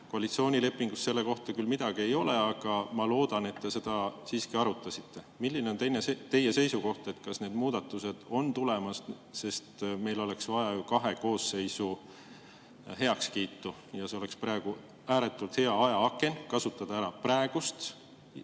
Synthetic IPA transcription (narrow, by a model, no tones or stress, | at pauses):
ko̞ɑlit̪sio̞ːnʲile̞pːˑiŋɡ̥usse̞lːe̞ko̞ht̪ɑkylmid̪̥ɑɡ̥ie̞jo̞le̞ɑɡ̥ɑmɑlo̞ːd̪̥ɑne̞t̪ːe̞se̞d̪̥ɑsiːskiɑɾut̪ˑːɑsit̪ːe̞milːineo̞nt̪ejnet̪e̞jːe̞se̞jsuko̞ht̪e̞t̪kɑsne̞ːd̪̥muːd̪̥ɑt̪ːˑuse̞d̪̥o̞nt̪ule̞mɑs | se̞st̪me̞jlo̞leksvɑjɑjukɑɦe̞ko̞ːsːe̞jsu | ɦe̞ɑkskiːt̪ːu | jɑse̞o̞le̞kspɾæeɡ̥u | æːɾe̞t̪ːˑult̪he̞ɑɑjɑɑkːˑe̞nkɑsut̪ːˑɑd̪̥ɑæɾɑpræe̞ɡ̥ust̪